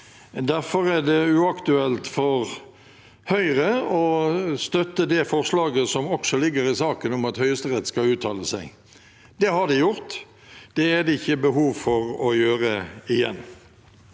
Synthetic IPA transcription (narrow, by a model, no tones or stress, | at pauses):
d̪æɾfɔɾɛd̪ɛʉːɑkt̪ʉɛlt̪fɔʁ | hœʏʁəɔst̪œt̪ːəd̪ɛfɔʁʂlɑːɡəsɔmɔksɔlɪɡːəɾɪsɑːkənʊmɑt̪hœʏəst̪əʁɛt̪ːskɑʉːt̪ʰɑːləsæɪ | d̪ɛhɑd̪ɪjʊʁt̪ | d̪̥ɛæd̪ɛɪçːəbəɦuːʋfɔɾɔjøːʁəɪjɛ̰nː